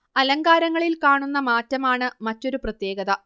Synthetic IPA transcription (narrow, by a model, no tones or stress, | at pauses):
ɐlɐŋɡaːɾɐŋːɐɭilkaːɳunːɐmaːtːɐmaːɳɨmɐtːo̞ɾuprɐt̪je̞ːɡɐðɐ